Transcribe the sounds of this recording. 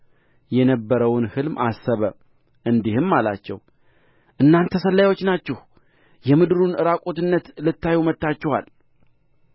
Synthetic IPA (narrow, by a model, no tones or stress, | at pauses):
jɛnəbːəɾəwʊnhɨlmʔa̰sːəβə | ʔɨnd̪ihɨmːala̰t͡ʃːɛ̰w | ʔɨnːant̪ʰəsəlːajwo̞t͡ʃːnat͡ʃːɛh | jɛmɨd̪ɾunɨɾakʼo̞t̪ɨnːət̪lɨt̪ːajumət̪ːat͡ʃːɛwa̰l